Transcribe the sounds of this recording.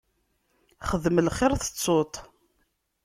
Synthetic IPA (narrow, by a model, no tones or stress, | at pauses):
χəðməlχɪɾθə̥t͡sˤːot̪ˤ